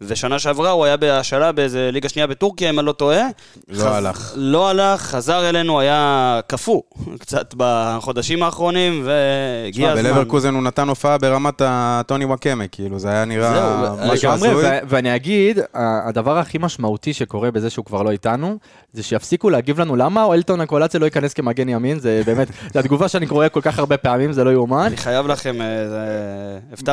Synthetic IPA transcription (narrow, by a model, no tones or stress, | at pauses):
ve̞ʃanaʃeavʁauajabeaʃalabeejzeliɡaʃniabe̞tuʁkijaimalo̞t̪o̞e | loalaχlo̞alaχːazaʁe̞le̞nuajakafukt͡sat̪baχo̞d̪aʃimaːχʁo̞nimveiabeleveʁkuzenunat̪ano̞faabeʁamat̪ato̞niwakemekʰiiluzeajaniʁaɡamʁejvveaniaɡid̪aːd̪avaʁaχimaʃmautiʃe̞ko̞ʁe̞be̞ze̞ʃeukvaʁlo̞itanu | zeʃejafsikuleaɡivlanulamaoelt̪o̞nakolat͡sjaloikaneskemaɡenjaminzebe̞ːmet̪zead̪ɡuvaʃeaniko̞ʁekolkaχaʁbe̞peamimzelo̞juumanniχajavlaχemezeefa